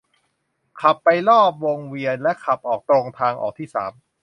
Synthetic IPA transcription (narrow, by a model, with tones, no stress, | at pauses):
kʰa˨˩pːa˧jlɔː˥˩p̚wo˧ŋwi˧ənlɛ˦˥kʰa˨˩p̚ʔɔː˨˩k̚t̪oː˧ŋt̪ʰaː˧ŋʔɔ̰ː˨˩k̚t̪ʰiː˥˩sa̰ː˩˦m